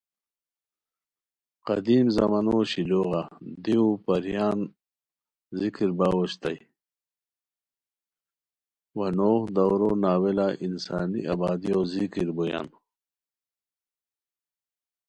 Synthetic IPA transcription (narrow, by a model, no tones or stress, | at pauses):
qɐd̪iːmzɐmɐnoːɕiloːɣad̪iupɐɾjaːn | zikiɾbaːwoɕt̪aj | wɐnoːhd̪ɐwɾoːnaːwelaʔinsaːnḭʔabaːd̪ijozikiɾboja̰n